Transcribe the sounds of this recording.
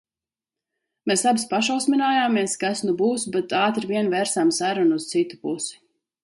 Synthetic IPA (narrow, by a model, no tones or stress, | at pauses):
meːsabispaʃawsmʲinaːjaːmeɛskasnubuːsbɛt̪aːt̪ɾviɛnvɛɾsamsaɾunuːst̪sit̪u̥pusi̥